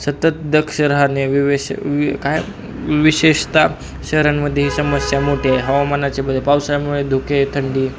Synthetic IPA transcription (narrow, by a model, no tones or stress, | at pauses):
sət̪ət̪̚d̪əkʰʂəɾɦaneʋiʋekaj | ʋiɕeʂt̪a | ɕəɦɾanməd̪ʱːjeɦisəməsjamoʈʰeaeɦəʋamanat͡ɕebəd̪ʱːepawsajanməd̪ed̪ʱuket̪ʰəɳɖiː